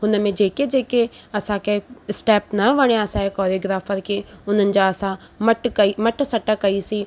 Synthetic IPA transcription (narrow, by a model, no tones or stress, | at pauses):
ɦʊnəmẽd͡ʒeːked͡ʒeːkeɐsãːkeɪsʈɛːpnɐʋɐɽ̃jãsãekɔːɾioːɡɾaːfʰəɾkeʊnənɪ̆d͡ʒaɐsã | məʈkɐimɐʈsɐʈəkɐisiː